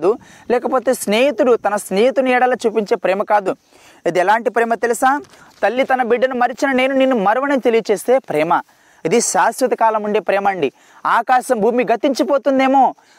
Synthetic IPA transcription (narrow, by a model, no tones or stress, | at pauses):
d̪u | lɛːkɐpoːt̪e̞ːsne̞ːɦit̪uɽut̪ɐnɐsneːɦit̪unɛːɽɐlɐt͡ʃuːpiɲt͡ʃe̞ːpɾɛːmɐkaːd̪u | ɐd̪iɛlaːɳʈipɾɛːmɐt̪elisaː | t̪ɐlːit̪ɐnɐbiɖːɐnumɐɾit͡ʃinɐneːnuniːnːumɐɾʋɐnɐmt̪elijɐt͡ʃe̞ːst̪e̞ːpɾɛːmɐ | id̪iʃaːsɾɐt̪ɐkaːlɐmuɳɖeːpɾɛːmɐɳɖi | aːkaːʃɐmbʱuːmiɡɐt̪iɲt͡ʃipo̞ːt̪und̪eːmo̞ː